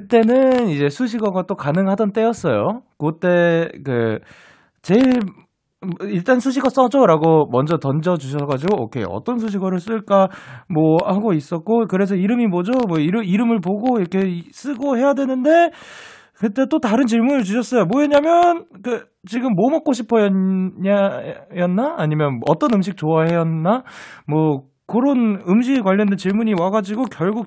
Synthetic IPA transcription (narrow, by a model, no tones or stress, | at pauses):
kɯt͈e̞nɯnid͡ʑe̞sʰuɕ̬ʰiɡʌɡat͈okanɯŋɦadʌnt͈e̞jʌs͈ʌjo̰kt͈e̞kɯ̰ | t͡ɕe̞iɭ | iɭt͈ansʰuɕ̬ʰiɡas͈ʌd͡ʑoɾaɡomʌnd͡ʑʌtʌnd͡ʑʌd͡ʑuɕ̬ʰʌɡad͡ʑiɡoʌkʰḛʌ̰t͈ʌns̬ʰuɕ̬ʰiɡʌɾɯɭs͈ɯɭk͈amwʌhaɡois͈ʌt̚k͈okɯɾe̞s̬ʰʌiɾɯmimʌd͡ʑomwʌiɾɯiɾɯmɯɭpoɡoiɾʌkʰe̞s͈ɯɡoɦe̞jadwe̞nɯnde̞ | kɯt͈e̞t͈otaɾɯnt͡ɕiɭmunɯɭt͡ɕuɕʰʌs͈ʌjomwʌje̞ɲamjʌnkɯ | t͡ɕiɡɯmːomʌk͈oɕʰipʰʌjʌajʌnːaːɲimjʌnʌt͈ʌnɯmɕ̬ʰik̚t͡ɕoahe̞jʌːamwʌ | kɯɾonɯmɕ̬ʰiɡekwaʎːʌndent͡ɕiɭmuɲiwaɡad͡ʑiɡokjʌɭɡuk̚